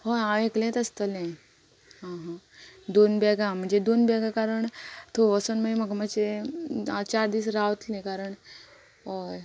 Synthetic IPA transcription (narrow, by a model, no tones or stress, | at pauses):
hojãeklẽt̪əst̪əlẽ | ɦãɦ | d̪onbɛɡãm̤əɳd͡zed̪onbɛɡãkaɾəɳt̪ʰoʋəsənməiməɡməd͡zeat͡ɕaɾd̪iːsɾaʋt̪lẽkaɾəɳ | ɦoj